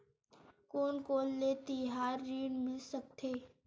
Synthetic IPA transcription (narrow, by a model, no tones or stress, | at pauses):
koːnkoːlːeːt̪iɦaːɾːiːɽmɪlsək̚t̪ʰeː